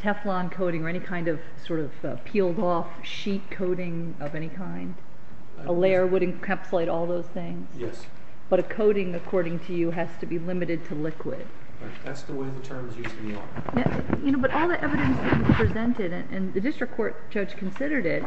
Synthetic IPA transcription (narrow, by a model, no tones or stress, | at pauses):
tʰɛflɑ̃nkʰoʊɾɪ̃ŋə˞ɛñikʰãɪ̃ndʌv̥sɔɹɾʌv̥ʌ̰̥pʰilˠdɔf | ʃit̚kʰoʊɾɪ̃ŋ | ʌvɛñikʰãɪ̃nd̥ | ʔəlɛɹwʊɾⁿn̩kʰæpsəleɪɾɔlˠðoʊz̥θɪ̃ŋz̥jɛ̰s | b̥ʌɾɨkʰoʊɾɪ̃ŋɨkʰɔɹɾɪ̃ŋtʰɨjɨɦɨz̥tʰɨbilɪ̃mɨɾɨd̚tʰəlɪkʰwɪ̰d̥̚ | ɹa̰ɪk̚ðætsðəweɪðɨtʰɜ̃˞mzjʉz̃ŋə̰̃n | jæ | jɨnoʊbʌɾʔɔlˠðiʔɛvɨɾɨ̃nsɨpʰɹ̥izɛ̃ntɪɾɨ̰̃nʔɨ̰̃nðɨdɪstɹ̥ɨkʰɔɹt̚d̥ʒ̥ʌ̥d͡ʒ̥kʰn̩sɪɾə˞ɾɪt̚